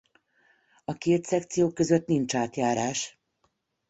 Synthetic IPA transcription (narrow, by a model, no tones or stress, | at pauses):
ɒkeːt̪sɛkt̪sijoːkːø̞zøt̪nint͡ʃaːt̪jaːɾaːʃ